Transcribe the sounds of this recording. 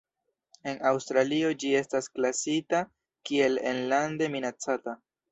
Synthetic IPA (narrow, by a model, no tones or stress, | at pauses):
e̞nawstɾalio̞d͡ʒie̞stasklasita | kie̞lḛnlande̞minat͡sata